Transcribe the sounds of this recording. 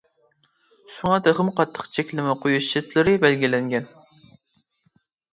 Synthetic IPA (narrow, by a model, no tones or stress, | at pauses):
ʃuŋɑt̪ʰæχɨmqʰɑt̪ʰːə̥qt͡ʃʰɛkʲlɪmɛqʰojuʃʃɪt̪lɪɾɪbɛlɡʲilɛŋɡʲɛn